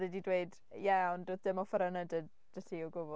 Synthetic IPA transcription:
ɛdidweɨd | jɛɔndoðdɪmɔfəɾanədəd | d͡ʒəsiɔɡʊb

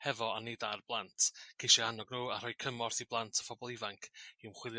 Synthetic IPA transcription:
hɛvɔanedarblˠantʰkʰejʃianɔɡnuːar̥ɔjkʰəmɔrθiblˠantʰə̥fɔbɔlˠɪvaŋkʰiwmχwɪlˠj

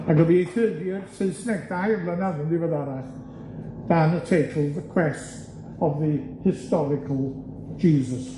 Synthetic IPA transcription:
aɡəbiəθɜːdjɪəɹsɪ̃nsnɛk̚dajəvlənaðə̃ndiwəðaɾa | ð̥anətʰeɪtʰəl̩ˠðəkʰw̥ɛst | əvðəhɪstɔɾɪkʰəlˠ | d͡ʒiːzəs

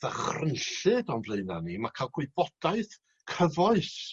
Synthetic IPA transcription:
ðəχrənɬɨdɔnvlˠeɨnanimakʰalˠɡwʊbɔd̥aɨθ | kʰəvɔɨθ

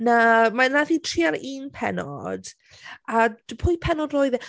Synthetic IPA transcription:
namanaθitʰriːaɾiːnpʰɛ̰nɔ̰d̥ | ad̥pʰʊjpʰɛnɔdroːɨðɛ

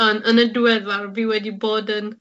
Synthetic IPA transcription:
ɔnənədwɛðarviwɛdiboːdən

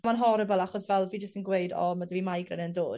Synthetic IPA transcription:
manɦɔɾəbɛlˠaχɔsvɛlˠviːd͡ʒəstənɡwejdɔ̰madəviːmajɡrɛ̰nəndoːd̥

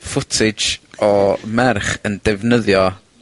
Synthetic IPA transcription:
fʊtʰɪd͡ʒɔmɛrχəndɛvnəðjɔ

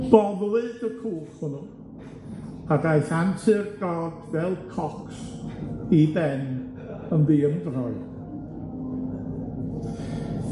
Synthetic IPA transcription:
b̥ɔblˠɨdəkʰuːrhʊnʊn | adajɬantʰɨrɡ̥ɔdvɛlˠkʰɔks | ibɛn | ənviːəndrɔɨ

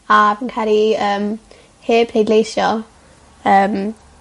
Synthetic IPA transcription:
avənkʰɛɾiəːm | heːpʰl̥ejdlejʃjɔ | əːm

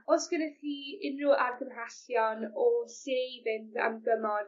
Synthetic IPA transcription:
osɡ̥ənɛχiːɪnruʔarɡəmraɬjɔnɔsejvɪnda̰mɡəmɔn

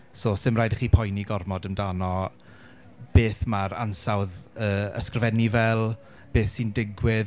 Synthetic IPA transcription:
soːsɪmraːjdəχiːpʰɔjniɡɔrmɔdəmdanɔ | b̥eːθmaɾa̰nsawðəːə̰skrvɛnivɛlˠ | b̥eːθsindɪɡwɪð

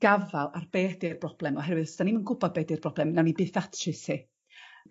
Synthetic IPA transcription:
ɡ̥avalˠarbeːdɪrbrɔb̥lˠɛmɔɦɛrwɨðsd̥animənɡʊbɔd̚beːdɪrbrɔblˠɛmnawnibɨːθatʰrɪsi

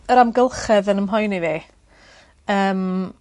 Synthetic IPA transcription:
əɾamɡəlˠχɛðənəmɦɔjniði | əːm

